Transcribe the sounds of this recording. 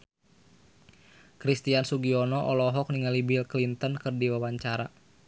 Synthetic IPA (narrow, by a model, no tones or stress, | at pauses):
kɾist̪iansuɡiɔnɔʔɔlɔɦɔk̚niŋalibilklint̪ənkɨrdiwawaɲt͡ʃaɾa